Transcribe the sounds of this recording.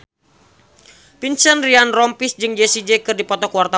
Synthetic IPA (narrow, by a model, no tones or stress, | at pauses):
pinsənrianrɔmpisd͡ʒɨŋd͡ʒɛsid͡ʒɛkɨrdipɔt̪ɔkuwart̪a